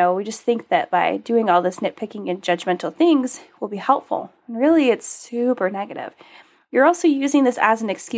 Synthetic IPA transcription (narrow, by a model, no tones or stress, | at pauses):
oʊwid͡ʒʌsθɪ̃ŋk̚ðɨt̚b̥aɪdʉɪ̃ŋɔlˠðɪsnɪt̚pʰɪkɪ̃ŋɨ̃nd͡ʒʌd͡ʒmɛ̃ntˡl̩ˠθɪ̃ŋz̥wilˠbihɛlˠpfl̩̃ˠn̩ɹɪlˠiɨtsʉpə˞nɛɡɨɾɪ̰v̥ | jə˞ɔlˠsoʊjʉzɪ̃ŋðɪsɨ̰zn̩ɨkskj